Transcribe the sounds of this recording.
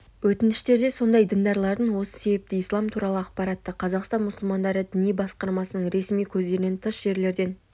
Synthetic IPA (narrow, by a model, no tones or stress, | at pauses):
wɵt̪ɪnt̪ɪ̥ʃt̪e̞ɾd̪e̞so̞nd̪ɑjd̪ɪnd̪ɑɾlˠɑɾd̪əɴwo̞sə̥se̞be̞p̚t̪ɪijslˠɑmt̪ʰuɾɑlˠəɑqpɑɾɑt̪ːəqʰɑzɑqst̪ɑnmʊsəlˠmɑnd̪ɑɾəd̪ɪnijbɑsqɑɾmɑsənəɴɾe̞smijkʲʰɵzd̪e̞ɾɪnent̪ʰəʃʒ̥e̞ɾle̞ɾd̪e̞n